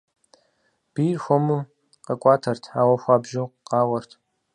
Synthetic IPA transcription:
b̥iːrxʷɔmɨ | qɐkʷʼɑːtʰɐrtʰħaːwɐxʷɑːbʒɪqqɑːwɐrtʰ

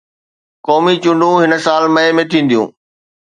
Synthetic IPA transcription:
kɔːmit͡ɕʊ̃ɳɖʱũɦɪnə̆saːlmɐemẽt̪ʰĩːn̆d̪ijṵ̃ː

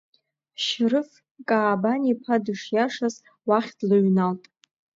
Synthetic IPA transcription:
ʃrɨf | kʼaːbanipʰadɨʂjaʂaz | waχʲd̥lɨɥnaltʼ

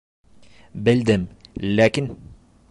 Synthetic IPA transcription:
bɪld̪amlaːkɪn

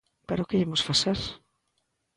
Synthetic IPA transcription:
peɾʊkeimosfaseɾ

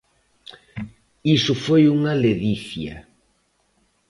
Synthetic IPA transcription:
isʊfojuŋɐleðiθjɐ̰

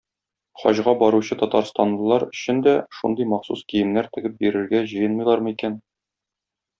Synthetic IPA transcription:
χɒ̰ʑʁɑbɒɾuɕɤt̪ɒt̪ɑɾst̪ɑnl̆ˠlˠɑɾɵ̆ɕɘ̆nd̪æʃṵnd̪ɤjmɑχsuskijɘ̆mnæɾt̪ɘ̆ɡɘp̚biɾɘ̆ɾɡæʑɤ̆jɤnmɤ̆jlˠɑɾmɤikæn

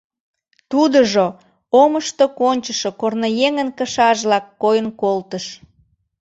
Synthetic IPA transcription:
t̪ud̪əʒo | oməʃt̪okonʲt͡ɕəʃokornojeŋənkəʃɑʒlɑkːojənkolt̪əʃ

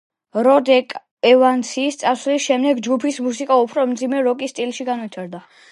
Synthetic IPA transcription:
ɾɔd̪ɛkʼ | ɛvant̪sʰiːst̪sʼaslisʃɛmd̪ɛɡd͡ʒɡupʰismusikʼaupʰɾɔmd̪zimɛɾɔkʼist̪ʼilʃiɡanvit̪ʰaɾd̪a

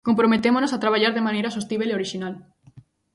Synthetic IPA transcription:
kompɾomet̪emonosat̪ɾaβ̞aʎaɾðemãnejɾas̬ost̪iβeleoɾiʃinal

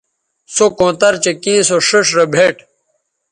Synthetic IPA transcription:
sokõːt̪ɐɾt͡ɕekĩːsoʂəʂɾɐbʱeʈ

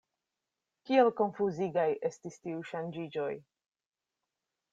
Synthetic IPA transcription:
kie̞lko̞nfuziɡajʔe̞stistiuʃand͡ʒid͡ʒo̞j

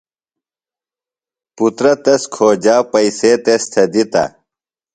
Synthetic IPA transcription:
put̪ɾɐt̪ɐskʰoːd͡ʑaːpɐiseːt̪est̪ʰɐd̪it̪ɐ̰

